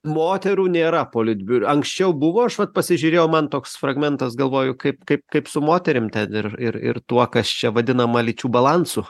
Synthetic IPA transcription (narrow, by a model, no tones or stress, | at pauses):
moːt̪ʲɛɾuːnʲeːɾɐpoːlʲɪd̪ʲbʲʊɐŋksʲt͡ʃʲɛʊbʊʋoːɐʃʋɐt̪̚pɐsʲɪʒʲʊːɾʲeːjʊmɐnt̪oːksfrɐɡmʲɛnt̪ɐsɡɐlˠʋoːjʊkɐɪpkɐɪp̚kɐɪpsʊmoːt̪ʲɛɾʲɪmt̪ʲɛnɪrɪ̰ɾɪ̰rt̪uɔkɐst͡ʃʲɛʋɐd̪ʲɪnɐmɐlʲɪt͡ʃʲuːbɐlˠɐnsʊ